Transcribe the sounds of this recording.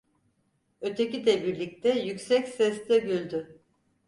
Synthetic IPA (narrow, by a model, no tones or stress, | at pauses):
ø̞t̪ʰecid̪ɛbiɾlʲic̚t̪ʰɛjycsɛcsɛst̪ɛbylʲd̪y